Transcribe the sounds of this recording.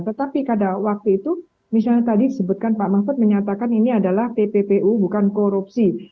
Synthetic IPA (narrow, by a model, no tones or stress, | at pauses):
t̪ət̪apikadawak̚t̪uit̪u | misalɲat̪adidisəbʊt̪̚kanpaʔmafʊt̪̚məɲat̪akaniniadalaht̪epepeʔubukankoɾup̚si